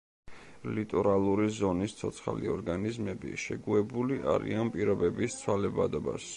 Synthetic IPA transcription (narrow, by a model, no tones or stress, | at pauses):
lit̪ʼɔɾalˠuɾizɔnist̪sʰɔt̪sʰχaliɔɾɡanizmɛbḭʃɛɡuɛbuliʔaɾḭanpʼiɾɔbɛbist̪sʰwalɛbad̪ɔba̰s